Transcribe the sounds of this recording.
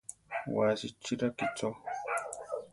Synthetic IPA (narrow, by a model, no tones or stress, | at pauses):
waːsit͡ʃːiɾakit͡sɔ